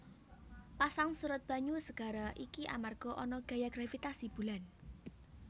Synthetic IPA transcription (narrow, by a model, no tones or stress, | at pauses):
pasaŋsuɾʊt̪̚b̥a̤ɲusəɡ̥a̤ɾaʔikiʔa̰marɡ̥ɔ̤ʔɔnɔɡ̥a̤jaɡ̥ɾafit̪asib̥ṳlan